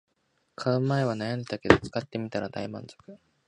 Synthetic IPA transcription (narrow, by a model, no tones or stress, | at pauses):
kʰaɯmːaeβ̞anajãnd̪e̞t̪ake̞d̪o̞t͡sɨ̥kat̪ːe̞mʲit̪aɾad̪a̰imã̰nzo̞kɯ̟